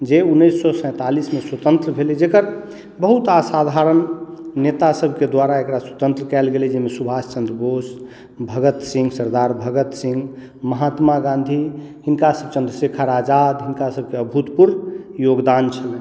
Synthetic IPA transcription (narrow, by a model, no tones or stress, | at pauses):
d͡ʒeunːəsːɔsə̃j̃t̪alismeswət̪ə̃nt̪ɾəbʱelɛd͡ʒekəɾ | bəɦut̪asad̪ʱaɾənːet̪asəbʱked̪waɾaekɾaswət̪ə̃nt̪ɾəkɛlɡelɛd͡ʒemesubʱast͡ʃə̃nd̪ɾəbos | bʱəɡət̪sĩŋɡsəɾd̪aɾbʱəɡət̪sĩŋɡ | məɦat̪maɡãnd̪ʱihinkasəb̚ʱt͡ʃə̃nd̪ɾəsikʰaɾad͡ʒad̪ɦinkasəb̚ʱkeəbʱut̪puɾnjoɡd̪ant͡ʃʰəlɛ